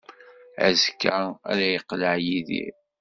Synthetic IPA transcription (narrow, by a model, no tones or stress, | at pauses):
æ̰zkːææ̰ɾæjəqːləʕjiðḭ